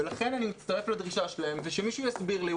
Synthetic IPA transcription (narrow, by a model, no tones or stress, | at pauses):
elaχe̞nanimit̪t͡stɐʁe̞fladʁiʃaʃelaemveʃemiʃujasbiʁli